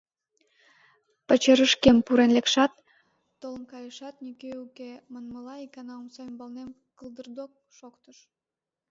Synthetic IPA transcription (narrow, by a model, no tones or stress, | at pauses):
pət͡ɕeɾəʃkempuɾenlekʃɑt̪ː | oləmkɑjəʃɑt̪nykeukemənməlɑikɑnɑumsojəmbɑlnem | kəlˠd̪ərd̪ok̚ʃokt̪əʃ